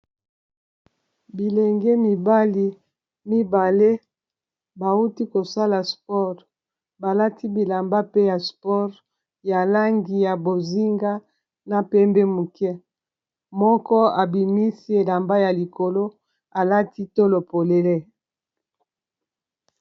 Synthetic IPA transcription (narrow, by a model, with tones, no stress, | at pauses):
bi˨lɛ˨ŋɡɛ˦mi˨ba˦li˨ | mi˦ba˨le˦ | ba˨u˦ti˦ko˨sa˦la˨spɔ˦ʁ | ba˨la˦ti˦bi˨la˨mba˦pe˦ja˨spɔ˦ʁ | ja˨la˦ŋɡi˨ja˨bo˨zi˦ŋɡa˦ | na˨pɛ˦mbɛ˦mu˨kɛ˦ | mɔ˦kɔ˦a˨bi˨mi˦si˦e˨la˨mba˦ja˨li˨ko˨lo˦ | a˨la˦ti˦to˦lo˨po˨le˨le˦